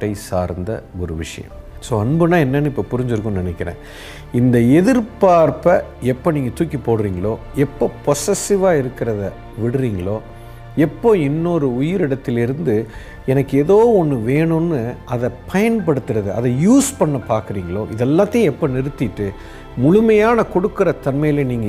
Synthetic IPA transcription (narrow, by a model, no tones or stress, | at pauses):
ɐɪsa̰ːɾnd̪ɐ̰ɔɾɯʋɪʂɐ̰jɐ̰̃m | soːɐɳbɯnãːɛnːɐnːɯɪpːopʊɾɪɲd͡ʒɪɾɯkːʊmnɪnɛkʲːɪɾḛ̃ː | ɪnd̪ɐɛðɪɾpaːɾpɐɛpːoːniːŋɡɐt̪uːkːipoːɽɯɾiːŋɡɐɭoː | ɛpːoːpɔsɛsɪʋaːɪɾɯkːɪɾɐðɐ | ʋɪɽɯɾiːŋɡɐɭoː | ɛpːoːɪnːoɾɯʊjɪɾɪɽɐt̪ːɪlɪɾɯnd̪ɯ | ɛnɐkːɯeðoːɔnːɯʋeːɳʊ̃nːɯɐðɐpɐjɐnpɐɽɯt̪ːɯɾɐðɯɐ̰ðɐjuːspɐɳːɐpaːɾkɯɾiːŋɡɐɭoːʔɪðɛlːaːt̪ːɐj̃ɛpːonɪɾɯt̪ːɪʈːɯ | mʊɻʊmɐjaːnɐkɔɽɯkːɯɾɐt̪ɐnmɐjɪleːniːŋɡɐ